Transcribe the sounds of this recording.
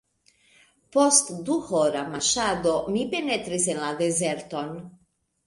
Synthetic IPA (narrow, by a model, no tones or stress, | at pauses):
post̪d̪uhoɾamaʃad̪omibɛnɛt̪ɾisenlad̪ezɛɾt̪on